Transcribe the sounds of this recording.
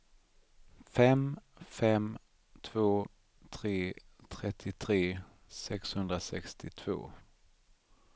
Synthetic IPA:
fɛmfɛm | t̪ʰv̥oː | t̪ʰɾeːt̪ʰɾɛt̪ʰːɪt̪ʰɾeː | sɛkshɵnd̪ɾasɛkst̪ʰɪt̪ʰv̥o̰ː

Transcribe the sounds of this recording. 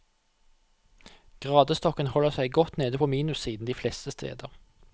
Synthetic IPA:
ɡ̥ʁɑːd̪əst̪ɔkənhɔləʁsæɪɡɔt̪neːd̪əpʰoːmiːnʉsiːd̪n̩d̪iːflɛst̪əst̪ʰḛːd̪əʁ

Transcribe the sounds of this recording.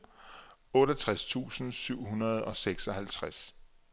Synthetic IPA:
ɔ̽ːɾ̥ɐt͡sʰʁast͡sʰṵːsn̩syʊ̰ɦunɐð̞ˠɒ̽seɡ̥sɒ̽hælt͡sʰʁas

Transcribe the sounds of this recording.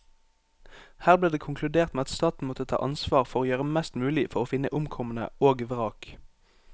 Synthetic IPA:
hæːʁbliːʁd̪eːkʰʊŋkʰlʉd̪eːʁt̪meːɑt̪st̪ɑːt̪n̩mɔt̪ət̪ʰɑ̰ːʔɑnsʋɑːʁfɔʁoːjøːʁəmɛst̪mʉːlɪfɔʁoːfɪnəʔʊmkʰɔmənə̰oːɡʋʁɑːk

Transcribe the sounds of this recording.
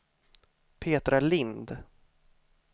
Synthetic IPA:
pʰeːt̪ɾalɪnd̪

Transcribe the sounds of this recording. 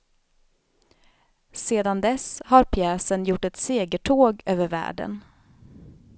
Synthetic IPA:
seːd̪and̪ɛshaɾpʰjɛːsənjʊʈːɛt̪seːɡəʈʰoːɡøːvəɾvæ̰ːɖə̰n

